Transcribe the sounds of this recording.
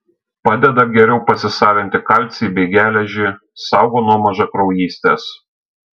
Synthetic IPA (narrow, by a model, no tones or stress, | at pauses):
pɑːd̪ʲɛd̪ɐɡʲɛɾʲɛʊpɐsʲɪsɑːʋʲɪnʲt̪ʲɪkɐˑlʲt̪ʲsʲiːbʲɛɪɡʲæːlʲɛʒʲɪː | sɑˑʊɡoːnuɔmɐʒɐkɾɔʊjiːsʲt̪ʲeːs